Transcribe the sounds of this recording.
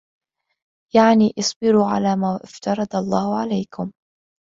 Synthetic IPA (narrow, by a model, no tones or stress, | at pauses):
jaʕniːʔɪsˤbɪɾuːʕalaːmaːʔɪft̪ɑɾˤɑd̪ɑlˤːɑːhʊʕalajkʊm